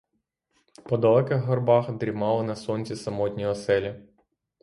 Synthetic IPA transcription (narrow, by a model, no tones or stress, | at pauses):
pɔd̪ɔlˠɛkɪxɦɔrbɑxd̪ɾʲimɑlˠɔnɐsɔnʲt͡sʲisɐmɔtʲnʲɔɦɔsɛlʲɐ